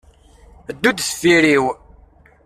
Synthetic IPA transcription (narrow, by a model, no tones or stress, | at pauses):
d̪ːud̪θə̥fiɾiw